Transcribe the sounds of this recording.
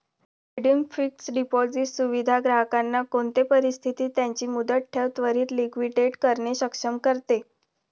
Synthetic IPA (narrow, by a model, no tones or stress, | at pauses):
eɽimfik̚ʈsɖipɔd͡zisuʋid̪ʱaɡɾaɦəkanːakoɳt̪epəɾist̪ʰit̪iːt̪jaɲt͡ɕiːmud̪əʈʈʰːeʋt̪ʋəɾiːt̪likʋiʈeʈkəɾɳeɕəkʂəmkəɾt̪e